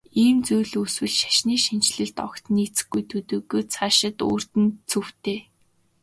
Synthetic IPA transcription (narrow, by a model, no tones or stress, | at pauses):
iːmt͡sujɮɵswɘ̆ɮʃḁʃniːʃint͡ɕɮɘ̆ɮt̪ɔ̰kt̪niːt͡sɘ̥̆xɡːujt̪ʰɵt̪ɵːɣoːt͡sʰaʃɪ̆t̪o̰ːr̥t̪ɘ̆nt͡sʰɵw̥t̪ʰeː